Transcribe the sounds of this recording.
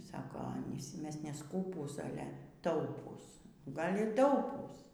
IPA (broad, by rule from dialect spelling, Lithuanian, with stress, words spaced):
ˈsɑːkoː ˈɑːnʲiːs ˈmʲɛs nʲɛˈskuːpuːs ˈɑːlʲɛ ˈtɐʊpuːs ˈɡɐlʲ iː ˈtɐʊpuːs